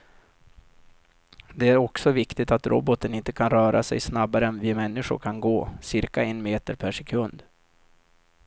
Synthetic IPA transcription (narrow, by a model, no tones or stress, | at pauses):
d̪ɛæɾɔksɔvɪkt̪ɪt̪at̪ɾʔɔ̰bɔt̪ənɪnt̪ə̥kʰanɾœːɾʔa̰sɛ̰jsnabaɾəɛnvɪmɛnːɪɧʊ̰ɾkʰanɡoːsɪɾkaɛnmeːt̪əɾpʰæʂɛkʰɵnd̪